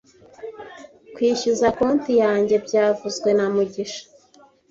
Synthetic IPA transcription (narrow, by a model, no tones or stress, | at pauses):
kwiːçuzakoːntijaːɲɟe̞bɟaːvuzɡwe̞namuɟiʃḁ